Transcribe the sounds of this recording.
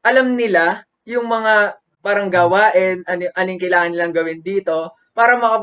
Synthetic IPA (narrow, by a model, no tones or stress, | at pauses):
ʔɐlɐmnɪla | jʊŋmɐŋa | paɾɐŋɡawaːʔɪnʔɐnʔɐnijŋkɐjlaːŋɐnːɪlɐŋɡɐwɪnd̪iːt̪o̞ | paːɾɐmɐkɐp